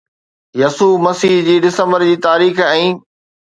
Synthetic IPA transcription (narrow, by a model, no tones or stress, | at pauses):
jɐsuːmɐsiːɦd͡ʑiːɖɪsə̃mbəɾd͡ʑiːt̪aːɾiːxɛ̃ː